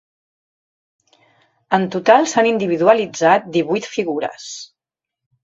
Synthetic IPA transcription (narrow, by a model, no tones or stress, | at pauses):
ənt̪ut̪alˠsanind̪iβiðuəlid͡zat̪̚d̪iβujt̪fiɣuɾə̰s